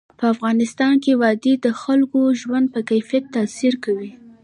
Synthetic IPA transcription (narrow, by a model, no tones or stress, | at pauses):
pəafɣɑnɪst̪ɑnkewɑd̪ed̪əxalkoʒwand̪̚pəkajfijat̪ːasiɾkawi